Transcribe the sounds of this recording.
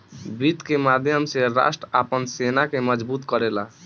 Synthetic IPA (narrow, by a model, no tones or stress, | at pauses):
bit̪kemad̪ʱjəmseɾa̰sʈɾəa̰pənsenakeməd͡ʒbut̪kəɾela